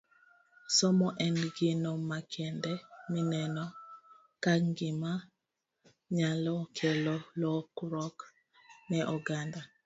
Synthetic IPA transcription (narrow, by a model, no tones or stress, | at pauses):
sɔmɔʔɛnɡɪnɔmakʰɛndɛminɛnɔ | kaŋɡɪma | ɲalɔkʰɛlɔlɔkɾɔk | nɛʔɔɡanda